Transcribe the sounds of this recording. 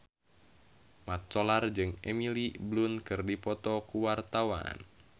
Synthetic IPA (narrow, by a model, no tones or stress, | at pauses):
mat̪̚t͡ʃɔlard͡ʒɨŋemiliblunkɨrdipɔt̪ɔkuwart̪awa̰n